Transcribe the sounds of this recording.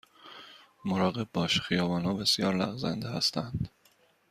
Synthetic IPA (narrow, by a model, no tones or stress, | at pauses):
moɾɒːɣe̞b̚bɒːʃxijɒːvɒːnhɒːbe̞sijɒːɾlæ̰ɣzæ̰nd̪ehæ̰st̪ʰænd̪̥